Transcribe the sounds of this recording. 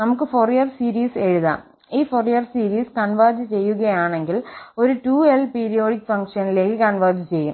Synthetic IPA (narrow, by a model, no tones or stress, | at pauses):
nɐmukːɨforijɐrsiːɾiːse̞ɻuða̰ːm | iːforijɐrsiːɾiːskɐnʋɐːd͡ʑɨt͡ɕe̞jːuɣɐjaːɳe̞ŋɡilo̞ɾuʈuːelpiːɾijo̞ːɽikːfɐŋkʂɐnile̞ːkːɨkɐnʋɐrd͡ʑɨt͡ɕe̞jːum